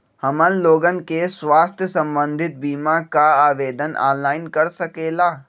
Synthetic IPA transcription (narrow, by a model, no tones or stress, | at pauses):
hɐmənloːɡənɪ̆keswaːst̪ʰjəsɐ̃mbə̃nd̪ʱɪt̪̚biːmakaaːʋeːd̪əna̰ːnːaːɪnkɐɾsɐkeːlaː